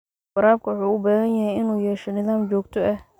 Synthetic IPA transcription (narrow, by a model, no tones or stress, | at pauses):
bɐɾaːb̚kʰɐwʊħuːʊbɛːɣɐnjɐɦɛjɪnuːjɛːʃɛnɪðaːmd͡ʒɔːɡt̪ʰɔʔɛh